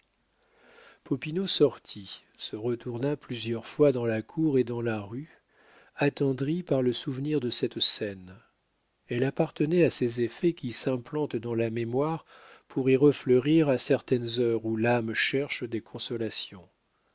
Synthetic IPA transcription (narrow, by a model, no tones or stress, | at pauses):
pɔpinosɔʁt̪ʰi | səʁət̪uʁnaplyzjœʁfwad̪ɑ̃lakʰuʁed̪ɑ̃laʁy | at̪ɑ̃d̪ʁipaʁləsuvniʁd̪əsɛt̪sɛn | ɛlapaʁt̪ənɛasezefɛkʲisɛ̃plɑ̃t̪d̪ɑ̃lamemwaʁ | pʰuʁiʁəfləʁiʁasɛʁt̪ɛnzœʁulamʃɛʁʃd̪ekʰɔ̃sɔlasjɔ̃